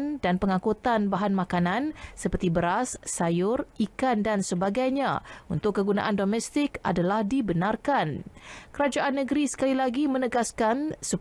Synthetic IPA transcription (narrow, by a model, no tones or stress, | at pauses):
ndanpəŋãkut̪anbaɦanmãkanansəpərt̪ibəɾasːajʊrikandansəbaɡajɲa̰ṵnt̪ʊkːəɡuna̰ʔandomɛst̪ɪka̰dalahdibənarkankəɾad͡ʒaʔanːəɡəɾisə̥kalilaɡimə̃nəɡaskansə